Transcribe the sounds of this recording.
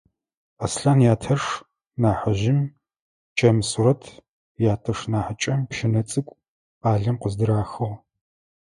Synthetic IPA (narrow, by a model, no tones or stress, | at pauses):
ɐsɬaːnjaːtʰɐʂ | naːħɐʑɪm | t͡ʃʼɐmsuɾɐtʰ | jaːtʰɐʂnaːħət͡ʃʼɐmpʃɪnɐt͡sʼɨkʷʼ | aːɮɐmqəzdɨɾaːxɐʁ